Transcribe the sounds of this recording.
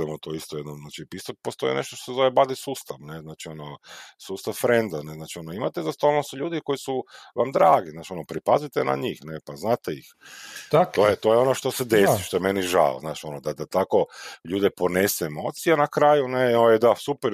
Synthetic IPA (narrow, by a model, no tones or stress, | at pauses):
emot̪oist̪ojed̪nomznaːt͡ʃipist̪ok̚post̪o̞ḭneʃt̪oʃt̪osezo̞ʋebad̪isuːst̪aʋneznaːt͡ʃionosuːst̪aʋfɾend̪aneznaːt͡ʃio̞noimat̪ezast̪olnosuʎuːd̪iko̞jisuʋamd̪ɾaːɡiznaːt͡ʃio̞nopɾipazit̪ena̰ɲixnepaznaːt̪eḭxt̪t̪oːjet̪o̞jeo̞noʃt̪osed̪esiʃt̪o̞emeniʒa̰ːo̰znaːʃo̞nod̪ad̪at̪ako̞ʎuːd̪ɛponeseːmo̞̰ːt̪sijenakɾaːjuneoed̪asupeɾ